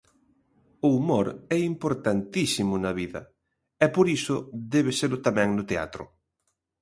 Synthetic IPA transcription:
ʊumoɾɛimpoɾt̪ant̪isimʊnaβiðɐ | ɛpoɾisʊd̪ɛβeselʊt̪amɛ̃ŋnʊt̪ea̰t̪ɾʊ̰

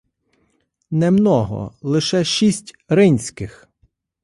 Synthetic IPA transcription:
nɛmnɔɦɔ̰lˠɪʃɛʃisʲtʲ | ɾɪnʲsʲkɪx

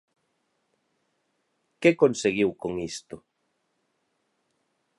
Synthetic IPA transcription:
kekonseɣiwkoŋist̪ʊ

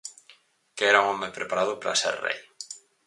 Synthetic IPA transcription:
keɛɾauŋɔmepɾepaɾað̞ʊpɾa̰sḛɾrḛj

